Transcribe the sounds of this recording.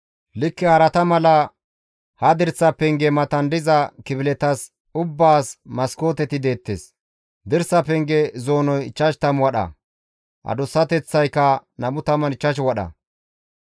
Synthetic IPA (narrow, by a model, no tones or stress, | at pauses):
lɪkːɛhɐɾɐt̪ɐmɐlɐ | hɐd̪ɪɾsːɐpɛŋɡɛmɐt̪ɐnd̪ɪzɐkɪbɪlɛt̪ɐs | ʊbːaːsmɐsko̞ːt̪ɛt̪ɪd̪e̞ːt̪ːḛːs | d̪ɪɾsɐpɛŋɡɛzoːnɔjɪt͡ʃːɐʃt̪ɐmwɐɗɐ̰ | ʔɐ̰d̪ʊsːɐt̪ɛt͡sːɐjkːɐnɐmʊt̪ɐmɐnɪt͡ʃːɐʃ̬wɐɗɐ̰